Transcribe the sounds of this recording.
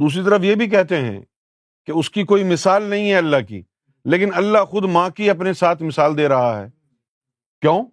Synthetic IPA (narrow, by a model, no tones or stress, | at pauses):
d̪uːs̬ɾit̪̬ɐɾəfjebʱik̬ɛɦt̪eɦɛ̰̃ | keʊskikoːimɪsaːlnɐɦĩɦɛɐlːakḭː | leːkɪnɐlːaxʊd̪mãːkiɐpnesaːt̪ʰmɪsaːld̪eːɾɐɦaɦɛ̰ː | kjõː